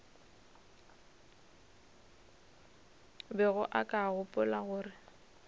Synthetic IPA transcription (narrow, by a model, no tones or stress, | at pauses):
bɛɣʊʔakʼaɣʊpʼʊlaɣʊːrɪ